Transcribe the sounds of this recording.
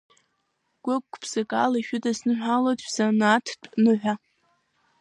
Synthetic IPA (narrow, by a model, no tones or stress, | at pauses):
ɡ̥ʷʊkʷːpʰsakʼa̰laʃᶣʊdaznɨħʷᶣalotʼzanatʰtʼnɨħʷᶣa